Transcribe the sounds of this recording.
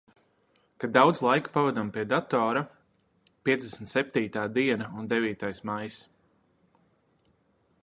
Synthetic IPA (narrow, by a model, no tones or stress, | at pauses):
kad̪awd̪zlˠajku̥pavɛd̪ampiɛd̪at̪ɔːɾa | pʲiɛzd̪esn̩t̪sɛp̚ʲt̪iːt̪aːd̪iɛnaund̪ɛviːt̪ajsmajs